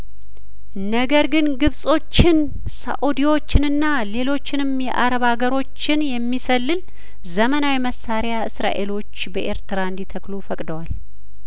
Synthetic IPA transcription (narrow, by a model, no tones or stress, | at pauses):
nəɡəɾɡɨnɡɨβsʼo̞t͡ʃːɪn | sa̰ʔud̪iwo̞t͡ʃːɪnɨnːa | le̞lo̞t͡ʃːɪnɨmjɛ̰ʔaɾəβaɡəɾo̞t͡ʃːɪnjɛmːisəlːɨl | zəmənawiməsːaɾjaɨsɾa̰ʔe̞lo̞t͡ʃːbəʔe̞ɾt̪ʰɾaɨnd̪it̪ʰəklufəkʼd̪əwal